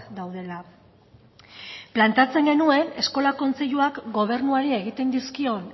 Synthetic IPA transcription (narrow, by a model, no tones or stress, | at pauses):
d̪awðe̞la | plant̪at͡se̞ŋɡe̞nue̞ne̞sko̞lako̞nt͡se̞ʎuakɡo̞β̞e̞ɾnuaɾie̞ɣ̞it̪e̞nd̪iskio̞n